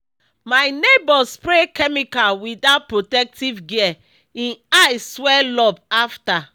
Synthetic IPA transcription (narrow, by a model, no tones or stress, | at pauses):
majnebɔspɾekɛmikalwidapɹotɛk̚tivɡiɛ | ĩnajsːwɛlɔbafta